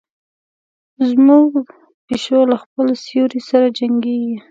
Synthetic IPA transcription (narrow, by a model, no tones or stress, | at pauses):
zmuɡ | peʃolaxpəlsjoɾisaɾad͡ʒaŋɡeɡi